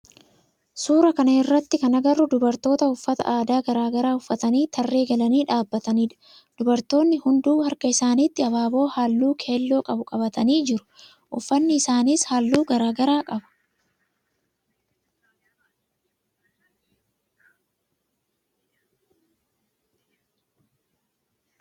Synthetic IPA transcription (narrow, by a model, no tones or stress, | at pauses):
suːɾɐkɐnɐɪrːɐt̪ːɪkɐnɐɡɐrːʊd̪ʊbɐɾt̪o̞ːt̪ɐʊfːɐt̪ɐ̰ʔaːd̪aːɡɐɾaːɡɐɾaːʊfːɐt̪ɐniːt̪ʰɐrːe̞ːɡɐlɐniːᶑaːbːɐt̪ɐniːᶑɐ̥ | d̪̥ʊbɐɾt̪o̞ːnːɪhʊnd̪uːhɐɾkɐɪsaːniːt̪ːɪɐβaːbo̞ːhaːlːuːkʰe̞ːlːo̞ːkʼɐbʊkʼɐbɐt̪ɐniːd͡ʒɪɾʊ̥ | ʔʊfːɐnːɪɪsaːniːshaːlːuːɡɐɾaːɡɐɾaːkʼɐbɐ̥